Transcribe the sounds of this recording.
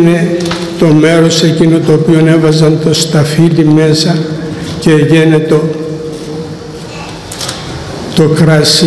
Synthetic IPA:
ne̞ | t̪o̞me̞ɾo̞se̞cino̞t̪oopio̞ne̞vɐzɐnt̪o̞st̪ɐfilime̞sɐceʝenet̪o | t̪o̞kɾɐs

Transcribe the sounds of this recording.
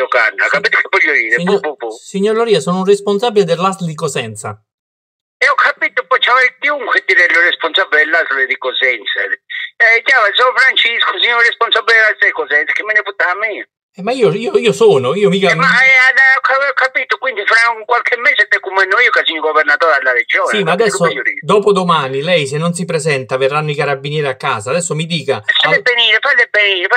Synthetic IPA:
oka̰nːa̰kːapiːt̪okʰevɔʎːod̪iːɾeɲoppsiɲːoɾlɔɾiːasɔnʊunresponsabːiled̪elːast̪ld̪ikosɛnt̪sa̰ | ɛɔkʰːapiːt̪ʊpɔt͡ʃːavɛɾkiuŋkʰʷwed̪iɾeloresponsabːiled̪elːasled̪ikosɛnt̪sa̰ | kjaɾs̬ɔfɾant͡ʃiskosiɲoɾresponsabːiledelasaikosɛnsḁkʰemːeneput̪ːamiː | ɛmaiːoiːoiːosɔːnoiːomiːkamaɛadakːaavɛokːapiːt̪okwind̪ifɾauŋkwalkʰemːeːset̪ːɛkːumɛnːoiːokasiɲːoɡoveɾnat̪ɔːɾalːared͡ʒɔːsimad̪ɛsːojoɾḭd̪ɔːpod̪omaːnilɛjsenːons̬ipɾezɛnt̪averːanːoikaɾabːinjɛːɾiakːaːsaːd̪ɛsːomid̪iːkasaepːeniːɾefalepːeniːɾefa

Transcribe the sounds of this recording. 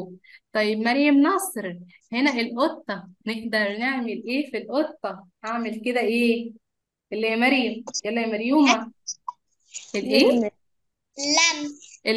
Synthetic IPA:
t̪ˤɑjːebmɑɾjæmnɑsˤɾ | henæʔelʔot̪ˤːɑneʔd̪ɑɾˤneʕmelʔeːfilʔot̪ˤːɑhaʕmelked̪æʔeː | ʔelːiijæmæɾjæmjælːæmæɾjuːmæ | ʔelʔeː | lːæmʔe

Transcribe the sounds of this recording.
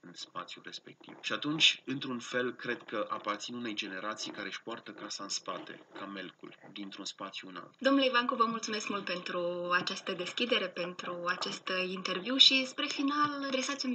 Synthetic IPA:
ɨnspa̰t̪sʲjure̞spe̞̰k̚t̪ḭvʃiat̪unt͡ʃʲɨnt̪ɾunfe̞lkɾe̞d̪kəʔapart̪sinune̞jd͡ʒe̞ne̞ɾat̪sijkaɾe̞ʃpoart̪əkasaɨnspat̪ḛkʰame̞lkṵld̪int̪ɾunspat̪sjuna̰wd̪o̞mnuleivaŋkovəmult̪sume̞skmult̪̚pe̞nt̪ɾuat͡ʃast̪əd̪e̞skʲid̪e̞ɾe̞pe̞nt̪ɾuat͡ʃest̪int̪e̞rviwʃispɾe̞finald̪ɾe̞sat̪sʲum

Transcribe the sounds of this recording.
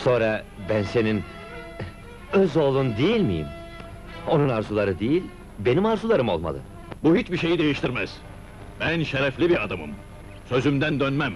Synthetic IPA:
so̞nɾa | bænse̞nin | øzo̞lˠund̪ijilʲmḭjḭm | o̞nunaɾzulˠaɾɯd̪ejilʲ | be̞nimaɾzulˠaɾɯmo̞̰lˠma̰lˠɯ̰ | buhit͡ʃbiʃe̞jid̪e̞jiʃt̪ʰiɾmæz̥ | b̥ænʃeɾɛflʲibiɾad̪amɯ̰m | sø̞zymd̪ænd̪ønmæm

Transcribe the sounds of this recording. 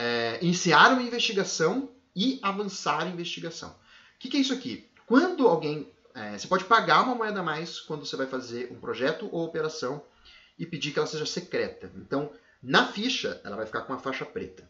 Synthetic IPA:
ɛẽnsiaɾũmɐĩvest͡ʃiɡasɐ̃w̃ | ɪavɐ̃saɾɐĩvest͡ʃiɡasɐ̰̃w̃ | kɪkɛis̬ʊaki | kwɐ̃nd̪ʊawɡẽj̃ | ɛsepɔd͡ʒɪpaɡaɾũmɐmoɛd̪ɐmajskwɐ̃nd̪osevajfazeɾṵ̃pɾoʒɛt̪ʊʔowopeɾasɐ̃w̃ | ɪped͡ʒiɾkɪɛlɐseʒɐsekɾɛt̪ɐḛ̃nt̪ɐ̃w̃ | nɐfiʃɐ̰ɛ̰lɐvajfi̥kaɾkõũmɐfaʃɐpɾḛt̪ɐ̥

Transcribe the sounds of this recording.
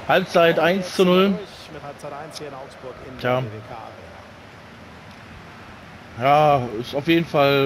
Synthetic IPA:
halp̚t͡saɪtʔaɪnst͡sunʊl̚ | t͡saɪtaɪnsnaʊksb̥ʊɐkɪnjʰjaːa | jaːɪsaʊfjeːdn̩fal

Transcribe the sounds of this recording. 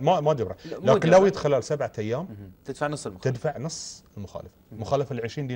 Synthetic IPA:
mamad͡ʒabɾˤɑlaːkɪnlawjɪd̪xalalsabʕaʔajːaːmt̪ɪd̪faʕnɑsˤːt̪ɪd̪faʕnɨsˤːɪlmʊxa̰ːlafḁmʊxaːlafalʕɪʃɾiːnd̪iː

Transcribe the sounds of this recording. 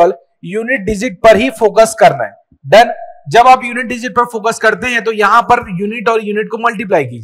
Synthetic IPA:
əl | juːnɪʈ̚ɖɪd͡ʒɪʈ̚pɐɾɦifoːkəskɐɾna̰ɦɛ | ɖɐnd͡ʒɐbaːpjuːnɪʈ̚ɖɪd͡ʒɪʈ̚pɐɾfoːkəskɐɾt̪eɦɛ̃t̪̬ojɐɦãpɐɾjuːnɪʈɔːɾjuːnɪʈ̚komɐlʈip̬laːjkiːd͡ʒ

